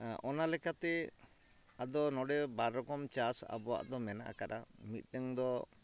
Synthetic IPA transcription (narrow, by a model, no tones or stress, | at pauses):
ʔɔnalɛkat̪ɛ | ad̪ɔnɔɽɛbaɾːɔkɔmt͡ʃasa̰bɔwa̰ʔd̪ɔmɛna̰ʔa̰kaɾa̰mit̪̚ˀnɛŋd̪ɔ